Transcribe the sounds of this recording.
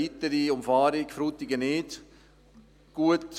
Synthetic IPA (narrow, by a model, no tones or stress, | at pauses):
it̪əɾiʊmfɑːɾɪkfɾuːt̪ɪɡənɪːd | ɡ̥uət